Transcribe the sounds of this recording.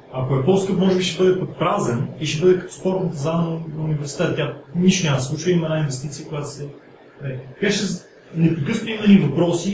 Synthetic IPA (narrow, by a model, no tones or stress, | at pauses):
ɐkoɛpɔskɤpmɔʒɛbiʃɛbɤd̪ɛpək̚pɾazɛniʃɛbɤd̪ɛkət̪o̥spɔɾt̪nəp̪ɐzanənɐnunivɛɾsi̥t̪ɛt̪t̪ʲjaniʃt̪onʲaməd̪əsˠut͡ʃvəimɐnainvɛst̪it̪sijəkoʊjat̪o̥sɛ | ɛt̪kat͡ʃɛ | nɛpɾɛkɤsnt̪imlʲivɐpɾɔsi